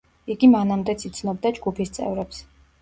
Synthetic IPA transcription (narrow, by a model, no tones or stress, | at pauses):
iɡimanamd̪ɛt̪sʰit̪sʰnɔbd̪ad͡ʒɡupʰist̪sʼɛ̰vɾɛps